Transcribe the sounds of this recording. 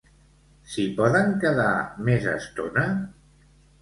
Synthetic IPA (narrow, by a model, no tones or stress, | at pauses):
sipɔðəŋkəðamezə̰st̪ona